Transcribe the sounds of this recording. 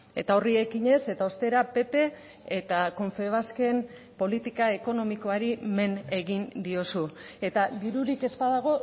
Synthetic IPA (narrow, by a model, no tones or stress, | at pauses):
e̞̰t̪ao̞rie̞kiɲe̞se̞t̪ao̞st̪e̞ɾape̞pe̞ː | t̪ako̞ɱfe̞β̞aske̞m | po̞lit̪ikae̞ko̞no̞miko̞aɾime̞ne̞ɣind̪io̞su | e̞t̪ad̪iɾuɾike̞zpaðaɣ̞o̞